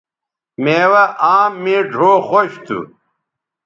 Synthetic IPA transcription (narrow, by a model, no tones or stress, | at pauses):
meːwɐʔaːmːĩːɖʱoːxoɕt̪ʰṵ